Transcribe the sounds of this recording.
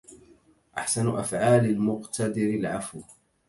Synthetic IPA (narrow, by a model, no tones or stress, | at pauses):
ʔaħsanʔa̰fʕaːlalmʊqt̪ad̪ɪɾɪlʕafw